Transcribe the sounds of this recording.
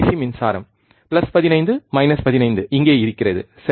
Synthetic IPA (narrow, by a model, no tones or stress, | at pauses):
simɪnsa̰ːɾɐ̰m | pɪlɐspɐðɪnɐɪnd̪ɯmɐɪnɐspɐðɪnɐɪnd̪ɯʔɪŋɡeːɪɾɯkːɪrɐðɯ̰ | sɛ